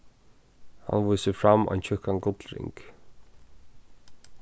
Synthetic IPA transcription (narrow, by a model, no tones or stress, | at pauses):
ha̰nvuːsɪfɾamːœ̰jnt͡ɕʰʏhkankʊt̪lɾɪ̰ŋk